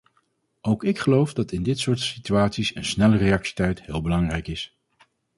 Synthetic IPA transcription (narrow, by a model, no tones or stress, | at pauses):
owkɪkχəlowfdɑtɪndɪtsʊːɹtsityaːtsisə̰nsnɛlərejɑksi̥tɛjtɦɪːlˠbəlɑŋrɛjkɪs